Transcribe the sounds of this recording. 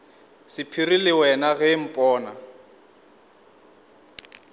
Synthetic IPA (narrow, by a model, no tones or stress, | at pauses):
sɪpʰiɾilɪwɛnaɣɛm̩pʼɔːna̰